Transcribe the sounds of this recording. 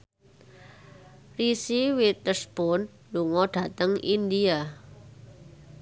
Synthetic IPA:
risiwit̪əsb̥ɔn | luŋɔɖ̥ä̤t̪əŋind̪ia

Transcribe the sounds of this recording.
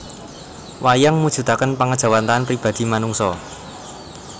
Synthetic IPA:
wʔajaŋmud̥ʒ̥ṳt̪akənpaŋəd̥ʒ̥a̤want̪aanpɾib̥a̤d̪̥i̤manuŋsɔ

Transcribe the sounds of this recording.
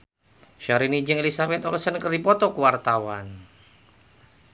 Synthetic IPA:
ʃaɾinid͡ʒɨŋelisabɛt̪ɔlsənkərdipɔt̪ɔkuwart̪awan

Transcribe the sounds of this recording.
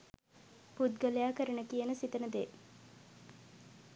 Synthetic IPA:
pud̪ɡəlejaːkəɾənəkijənəsit̪ənəd̪eː

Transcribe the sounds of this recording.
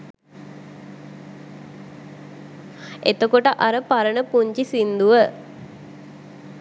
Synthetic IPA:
et̪okoʈəʔaɾəpaɾənəpuɲt͡ʃisind̪uʋə

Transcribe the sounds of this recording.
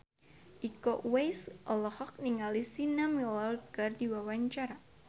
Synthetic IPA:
ʔikɔʔwejsʔɔlɔhɔk̚niŋalisinamilɔrɡardiwawaɲt͡ʃaɾa

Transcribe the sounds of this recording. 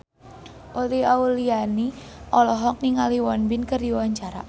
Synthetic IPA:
ʔoliauliani | ʔɔlɔɦɔk̚niŋaliwɔnbɪnkərdiwaɲt͡ʃaɾa̰

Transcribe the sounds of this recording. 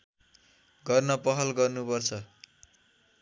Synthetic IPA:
ɡʌrnʌpʌɦʌlɡʌrnupʌrt͡sʰʌ

